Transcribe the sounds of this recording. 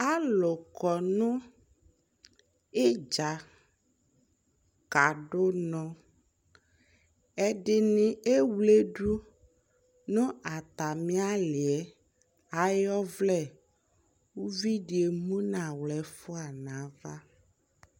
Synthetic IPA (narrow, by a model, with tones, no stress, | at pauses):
a˦lʊ˨kɔ˨nũ˦ | e˦d͡ʒa˨ | ka˨ɖo˦nɔ̃˦ | ɛ˦ɖɪ˨nĩ˨e˦wle˦ɖu˦ | nʊ̃˦a˨t̪a˨mĩ˦a˦lɪ˨ɛ˨˦ | a˨jɔ˦vlɛ˦˨ | wu˦vi˦ɖi˨e˨mũ˦nã˨wlɛ˨fo˦a˨nã˨˦va˦